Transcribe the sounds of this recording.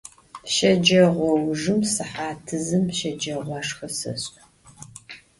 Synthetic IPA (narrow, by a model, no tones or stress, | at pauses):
ʃɐd͡ʒɐʁʷɔwʐɨmsɨħaːtʰɨzɨmʃɐd͡ʒɐʁʷɑːʂxɐsɐ̰ɕʼ